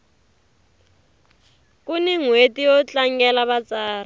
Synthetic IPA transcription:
kʼuniŋwetijɔt͡ɬaŋɡɛlaβat͡saːra

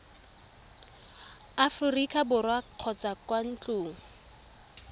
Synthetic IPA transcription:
afririkʰʼabʊrwaq͡χʰɔt͡sakwan̩t͡ɬʼʊːŋ̩

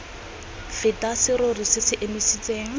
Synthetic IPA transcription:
fɪtʼasɪɾorisɪsɪʔemisit͡sʼeːŋ̩

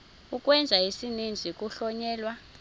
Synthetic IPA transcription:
ukʼwɛnd͡zʱaɦisinind͡zʱik̬ʼuɬɔɲɛːlwa

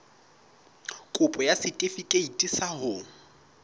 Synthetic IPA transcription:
kʼʊpʼɔjasɪtʼefikʼeitʼisahʊ

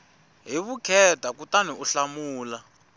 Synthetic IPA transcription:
ɦiβukʰɛtʰakutaniuɬamuːla

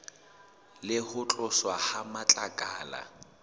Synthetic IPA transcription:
lɪhʊt͡ɬʼʊswahamat͡ɬʼakʼaːla̰

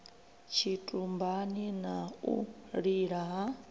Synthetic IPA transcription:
t͡ʃʰitʼumbaninaṵɺiɺaɦa

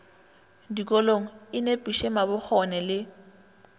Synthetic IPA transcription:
dikʼɔloŋ̩ɪnepʼiʃemabʊk͡xʰɔnɛlɪ

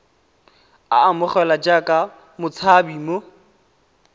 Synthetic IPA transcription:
a̰ːmʊχɛlad͡ʒakʼa | mʊt͡sʰabimo

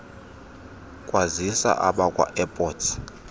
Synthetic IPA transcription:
kʼwazisa̰ʔaɓakʼwa̰ʔɛpʼɔːtʰ

